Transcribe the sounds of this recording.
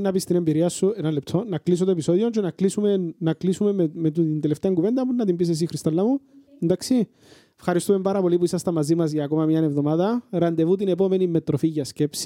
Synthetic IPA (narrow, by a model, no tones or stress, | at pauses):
nːɐpist̪ine̞mbiɾiɐsːuenɐnlːep̚t̪ʰo̞nɐklis̬ot̪oepiso̞ðiont͡ʃenɐklisumenːɐklisumemmet̪uind̪eleft̪eɐŋɡuve̞nd̪ɐpunːɐt̪imbis̬es̬ixɾist̪ɐlːɐmuend̪aksi | efxɐɾist̪ume̞mbɐɾɐpo̞lipuisɐst̪ɐmɐzimɐzʝɐːko̞mɐmɲɐne̞vðo̞maðɐɾɐnd̪e̞vut̪ine̞po̞me̞nimːe̞t̪ɾo̞fiʝɐsce̞psi̥